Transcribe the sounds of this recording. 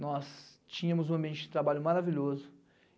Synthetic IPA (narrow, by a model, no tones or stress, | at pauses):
nɔs | t͡ʃĩɲɐ̃mʊzũɐ̃biẽnt͡ʃɪd͡ʒɪt̪ɾabaʎʊmaɾaviʎozʊ